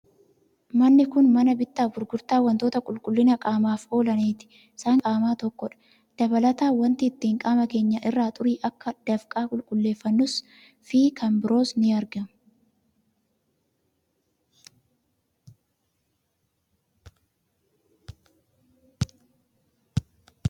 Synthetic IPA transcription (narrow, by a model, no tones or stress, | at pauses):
mɐnːɪkʊnmɐnɐbɪt̪ːaːfbʊɾɡʊɾt̪aːwɐnt̪o̞ːt̪ɐkʼʊlkʼʊlːɪnɐkʼaːmaːfo̞ːlɐneːt̪ɪ̥ | saːŋkʼaːmaːt̪ɔkːɔᶑɐ̥ | d̪̥ɐbɐlɐt̪aːwɐnt̪iːt̪ːiːŋkʼaːmɐke̞ːɲːɐʔɪrːaːt̪ʼʊɾiːʔɐkːɐd̪̥ɐfkʼaːkʼʊlkʼʊlːe̞ːfːɐnːʊs | fiːkʰɐmbɪɾo̞ːsnɪɐɾɡɐmʊ